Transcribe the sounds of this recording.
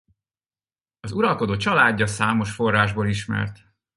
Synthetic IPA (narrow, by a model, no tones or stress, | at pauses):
ɒzuɾɒlko̞d̪oːt͡ʃɒlaːɟːɒsaːmo̞ʃfo̞rːaːʒboːliʃmɛ̰rt̪